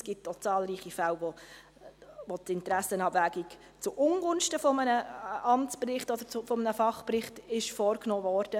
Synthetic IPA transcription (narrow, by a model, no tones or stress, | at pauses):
sɡ̥ɪtot͡sɑːlɾiːχifæʊʋo | votɪntɾæsənɑbvæːɡik | t͡sʊʔʊŋɡʊnʃtəfɔmənəʔɑmt͡sprɪχtɔd̥əɾt͡sʊfɔmənəfɑχprɪχtɪʃfɔːrknoːvɔːɾd̥ə